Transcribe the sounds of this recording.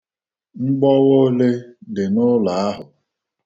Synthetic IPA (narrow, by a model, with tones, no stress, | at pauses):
ŋ͡m̩˦ɡ͡bɔ˦wo˦le˦dɪ˨nʊ˦la˨a˦ɦʊ˨